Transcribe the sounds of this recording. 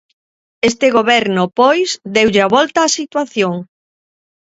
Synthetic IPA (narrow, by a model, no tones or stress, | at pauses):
est̪eɣoβɛɾnʊpojsd̪ewʎeaβɔlt̪aːsit̪waθjoŋ